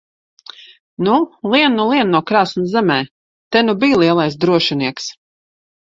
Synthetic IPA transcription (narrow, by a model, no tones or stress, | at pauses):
nulˠiɛnːulˠiɛnːuɔkɾaːsnuzɛmɛː | t̪ɛnubiːlˠiɛlˠajs̬d̪ɾuɔʃiniɛks